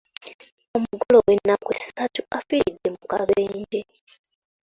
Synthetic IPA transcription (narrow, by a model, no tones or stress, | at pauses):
o̞muɡolo̞wenːakwesatuafiɾidːe̞mukaβeːɲd͡ʒe